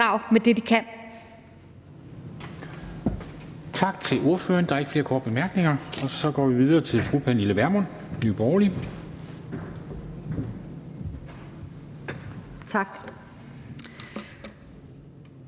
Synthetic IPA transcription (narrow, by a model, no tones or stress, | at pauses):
ɑ̈ʊ̰med̥e̝d̥ikʰæn | t͡sʰɑ̈ɡ̥̚t͡sʰe̝lʔo̝ɐfø̰ːɐnd̥ɑ̈e̝ɡ̥fle̝ːɐkʰɒ̰ːd̥̚b̥e̝mæɐɡ̥ne̝ŋɐɒ̽sɒ̽ɡ̥ɒ̰ːʋiʋið̞ˠɐːt͡sʰe̝lfʁupʰæniləʋæɐmon | nyːb̥ɒʊli | t͡sʰɑɡ̥